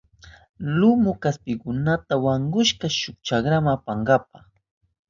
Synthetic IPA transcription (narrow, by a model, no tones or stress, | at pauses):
lʊmʊkaspɪkʊnat̪awaŋɡʊʃkaʃʊkt͡ʃakɾamaapaŋɡap̚aχ